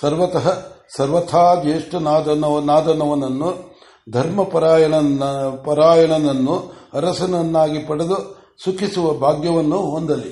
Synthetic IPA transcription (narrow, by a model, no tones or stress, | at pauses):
sɐɾʋɐt̪ɐɦɐsɐɾʋɐt̪ʰaːd̪eːʂʈɐnaːd̪ɐnɐɐnaːd̪ɐnɐʋɐnɐnːu | d̪ʱɐɾmɐpɐɾaːjɐɳɐpɐɾaːjɐɳɐnɐnːuɐɾɐsɐnɐnːaːɡipɐɽed̪u | sukʰisuʋɐbʱaːɡjɐʋɐnːuɦond̪ɐlːi